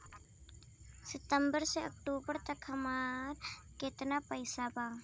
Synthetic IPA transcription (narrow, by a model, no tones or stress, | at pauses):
sɛt̪əmbəɾseɔk̚ʈubəɾt̪akʰamarket̪ənapajsaba